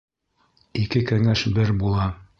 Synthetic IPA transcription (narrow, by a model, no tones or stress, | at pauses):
ikɘkæŋæʃbɘɾbulˠɑ